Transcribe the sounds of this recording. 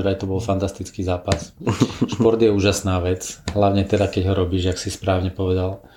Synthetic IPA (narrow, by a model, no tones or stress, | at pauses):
ɾajt̪ɔbɔlfant̪ast̪it͡skiːzaːpasʃpɔɾd̪jɛuːʒasnaːʋɛt͡sɦlaʊɲɛt̪ɛd̪akɛɟɦɔɾɔbiːʒaksispɾaːʊɲɛpɔʋɛd̪al